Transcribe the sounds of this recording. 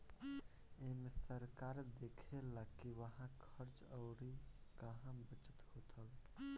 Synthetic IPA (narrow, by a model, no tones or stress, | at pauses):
emesəɾkaɾd̪ekʰelakiʋəɦãkʰəɾt͡ʃəʊɾikəɦãbət͡ʃət̪hot̪əl